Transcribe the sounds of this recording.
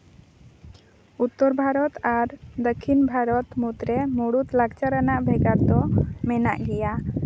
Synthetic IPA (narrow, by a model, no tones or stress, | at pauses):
ut̪ːɔɾbʱaɾɔt̪aɾd̪əkʰːinbʱaɾɔt̪mut̪ɾɛmoɽut̪laɡt͡ʃaɾanaʔbʱɛɡaɾd̪ɔmɛna̰ʔɡɛja